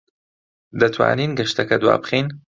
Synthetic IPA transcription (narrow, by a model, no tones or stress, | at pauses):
d̪ɐt̪ʰwa̰ːniːnɡɐʃt̪ɐkɐd̪wa̰ːbɨχiːn